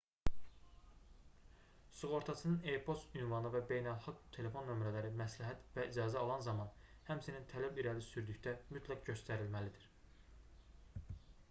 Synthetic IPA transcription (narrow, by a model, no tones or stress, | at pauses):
suʁo̞ɾt̪ʰɑsɯnɯnejpʰo̞st̪ynvɑnɯvæbe̞jnælˠxɑɡt̪ʰe̞le̞fo̞nːø̞mɾælæɾimæslæɦæt̪væid͡ʒɑːzæɑlˠɑnzɑmɑn | hæmsinint̪ʰælæbiɾælisyɾd̪yçd̪æmyt̪ʰlæɡɟø̞st̪æɾilmælid̪iɾ̥